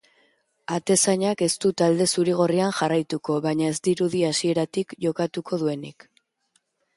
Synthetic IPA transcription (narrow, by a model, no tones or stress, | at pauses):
at̪e̞saɲake̞st̪ut̪ald̪e̞suɾiɣ̞o̞rianʝarajt̪uko̞βaɲae̞zd̪iɾuðiasie̞ɾat̪ikʝo̞kat̪ukʰo̞ðue̞nik